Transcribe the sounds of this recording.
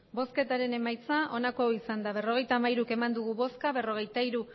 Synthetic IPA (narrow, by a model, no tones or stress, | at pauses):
bo̞ske̞t̪aɾe̞ne̞majt͡saʔo̞nako̞isand̪aβe̞ro̞ɣ̞e̞jt̪aːmaiɾuke̞mand̪uɣ̞uβo̞skaβe̞ro̞ɣ̞e̞jt̪aiɾu